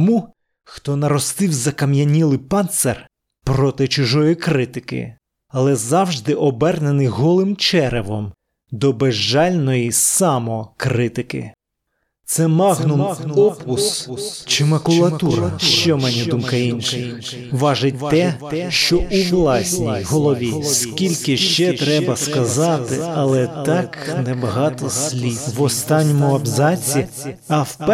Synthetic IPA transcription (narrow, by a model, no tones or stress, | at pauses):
ɔmu | xt̪ɔnɐɾɔst̪ɪwzɐkɐmjɐnʲilˠɪpɑnt̪ser | pɾɔt̪ɪt͡ʃʊʒɔjikɾɪt̪ɪkɪ̰ | ɐlˠɛzɑwʒd̪ɪʔɔbɛrnenɪjɦɔlˠɪmt͡ʃɛɾeʋɔm | d̪ɔbeʒːɑlʲnɔjisɑmɔkɾɪt̪ɪkɪ̰ | t̪sɛmɑɣnʊmɔpʊst͡ʃɪmɐkʊlˠɐt̪uɾɐʃt͡ʃɔmɛnʲid̪umkɐinʲʃɪʋɑʒɪt̚ʲt̪ɛʃt͡ʃɔʔuʋlˠɑsʲnʲijɦɔlˠɔʋʲisskʲilʲkɪʃt͡ʃɛt̪ɾɛbɐskɐzɑt̪ɪɐlˠɛt̪ɑknɛbɐɦɑt̪ɔsʲlʲiʋɔst̪ɑnʲːɔmʊɐbzɑt͡sʲiɐwp